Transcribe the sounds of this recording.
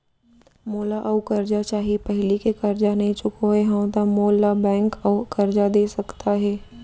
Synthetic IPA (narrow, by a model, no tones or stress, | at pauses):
moːlaʔɐʊkɐɾd͡ʒat͡ʃaːɦipɛɦlikekɐɾd͡ʒanɐɦĩt͡ʃʊkõɦɛɦɐ̃t̪amoːlabɛ̃ːŋkɔːkɐɾd͡ʒad̪eːsɐkt̪ʰaɦɛː